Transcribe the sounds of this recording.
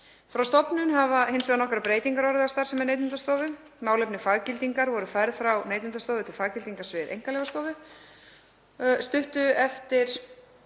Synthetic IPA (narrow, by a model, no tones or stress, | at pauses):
fɾawst̪ɔpnʏnɦavahensvɛðanɔhkɾapɾeːjt̪iŋkaɾɔɾast̪aɾsɛmɛɾneːjt̪ʏnt̪ast̪owvɪ | maːwlɛpnɪfaɣcɪlt̪iŋkaɾvɔɾʏfaːjɾðfɾawnejt̪ʏnt̪ast̪oːwvɪt̪ʰɪlfaɣcɪlt̪iŋkasvɪðḛjŋkalɛvast̪owvɪ | st̪ʏht̪ʏɛft̪ɪɾ̥